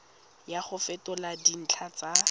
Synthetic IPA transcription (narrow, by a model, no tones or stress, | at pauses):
jaχʊfɛtɔladin̩t͡ɬʰat͡sa